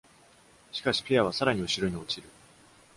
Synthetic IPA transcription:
ɕi̥kaɕi̥pʲejaβ̞asaɾaɲ̟iɯ̟ɕiɾoɲ̟io̞t͡ɕiɾɯ̟

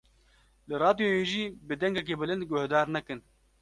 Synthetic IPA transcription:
lɨɾɑːd̪joːjeːʒiːbɨd̪ɛŋɡɛk̬eːbɨlɨnd̪̚ɡʊhd̪aːɾnɛkɨn

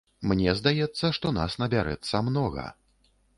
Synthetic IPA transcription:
mnʲɛzd̪ajɛt̪sːɐʂt̪ɔna̰snɐbʲaɾɛ̰t̪sːɐmnɔɣɐ̰

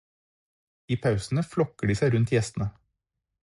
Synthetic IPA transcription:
iːpʰɑʉsn̩əflɔkəɖiːsæɪɾʉnt̪jɛst̪n̩ə

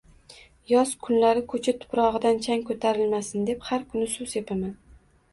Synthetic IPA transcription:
jɒskʰʊnlaɾɪkʰɵt͡ʃʰat̪ʰʊ̥pɾɒʁɨd̪ant͡ʃʰaŋkʰot̪ʰaɾɪlmasɪnd̪e̞phaɾkʰʊnɪsʊsepʰaman

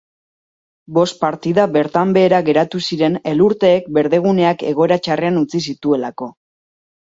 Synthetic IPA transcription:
bo̞st̪̚paɾt̪iðaβe̞ɾt̪ambe̞ːɾaɣe̞ɾat̪usiɾe̞ne̞luɾt̪e̞ːk̚be̞ɾðe̞ɣ̞une̞ake̞̰ɣ̞o̞e̞ɾat͡ʃare̞anut͡sis̬it̪ue̞lako̞

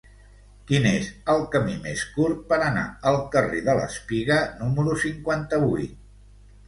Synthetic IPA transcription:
kinezəlˠkəmimeskuɾt̪̚pəɾəna̰əlˠkəreðələ̰spiɣənuməɾusiŋkwant̪əβujt̪̚

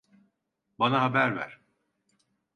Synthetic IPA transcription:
banaɦabæɾvæ̰ɾ̥

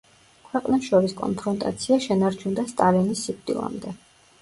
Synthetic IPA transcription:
kʰwɛqʼnɛʃɔɾiskʼɔ̰npʰɾɔnt̪ʼa̰t̪sʰiaʃɛnaɾt͡ʃʰund̪ast̪ʼalinisːip̚ʰt̪ʼḭlˠa̰md̪ɛ

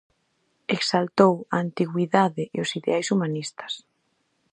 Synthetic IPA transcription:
eksalt̪owaːnt̪iɣwiðaðɪʔːosiðḛajsumanist̪ɐ̥s

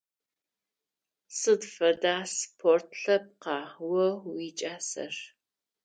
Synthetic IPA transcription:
sɨdfɐdaːspʰortʰɬɐp̚qɑːwɐwit͡ʃʼaːsɐ̰r

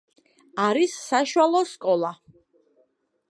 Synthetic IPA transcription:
aɾisːaʃuwalˠɔskʼɔlˠa

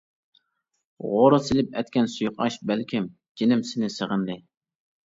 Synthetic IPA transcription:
ʁoɾɑsɪlɪp̚ɛt̪kʲɛnsujʊqɑ̰ʃbælkʲʰɪm | d͡ʒinɪmsɪnɪsəʁənd̪ɨ

